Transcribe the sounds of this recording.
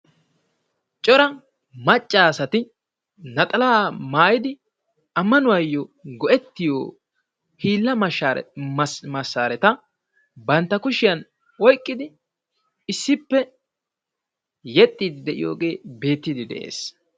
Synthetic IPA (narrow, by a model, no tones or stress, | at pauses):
t͡ʃʼɔɾɐ | mɐt͡ʃʼːaːsɐt̪ɪ | nɐt̪ʼɐlaːmaːjɪd̪ɪ | ɐmːɐnʊwɐjːɔɡɔʔɛt̪ːɪjoː | hiːlːɐmɐa̰ | mɐsːaːɾɛt̪ɐ | bɐnt̪ːɐkʊʃɪjɐn | wɔjkʼːɪd̪ɪ | ɪsːɪpːɛ | jɛt̪ʼːiːd̪ɪd̪ɛʔɪ̰jo̰ːɡe̞ːbe̞ːt̪ːɪd̪ɪd̪ɛ̰ʔḛːs